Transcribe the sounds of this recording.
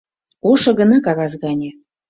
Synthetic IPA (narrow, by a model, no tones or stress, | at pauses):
oʃɤ̆ɣə̆nɑkɑɣɑzɣɑnʲĕ